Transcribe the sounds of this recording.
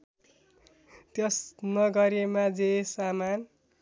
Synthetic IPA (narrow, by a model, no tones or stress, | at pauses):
t̪jʌsnʌɡʌɾemad͡zesaman